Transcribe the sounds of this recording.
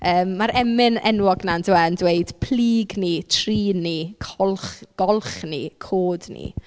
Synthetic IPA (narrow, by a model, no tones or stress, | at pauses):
əːmːaɾɛmɪnɛ̰nwɔɡnanduɛəndweɨd̥pʰliːɡnitʰriːnikʰɔlˠχɡ̥ɔlˠχnikʰoːdnḭ